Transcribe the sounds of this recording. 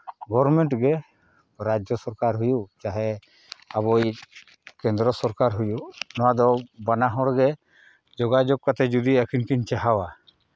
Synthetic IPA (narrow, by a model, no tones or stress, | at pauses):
ɡɔɾmɛɳʈɡɛ | ɾad͡ʒjɔsɔɾkaɾɦujut͡ʃaɦɛ | abɔj | kɛnd̪ɾɔsɔɾkaɾɦujuʔnɔwad̪ɔbanaɦɔɽɡɛ | d͡ʒɔɡad͡ʒɔɡ̚kat̪ɛd͡ʒud̪iakʰinkiɲt͡ʃaɦawa